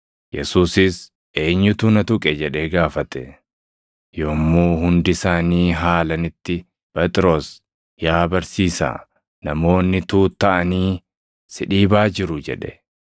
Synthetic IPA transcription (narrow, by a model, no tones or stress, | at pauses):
jɛsuːsɪs | ʔe̞ːɲːʊt̪ʊnɐt̪ʊkʼɛd͡ʒɛᶑɛɡaːfɐt̪ɛ | joːmːuːhʊnd̪ɪsaːniːɦaːlɐnɪt̪ːɪ | pɛt̪ʼɪɾo̞ːs | jaːbɐɾsiːsa̰ː | nɐmo̞ːnːɪt̪uːt̪ːɐʔɐniː | sɪᶑiːbaːd͡ʒɪɾʊd͡ʒɛ̰ᶑɛ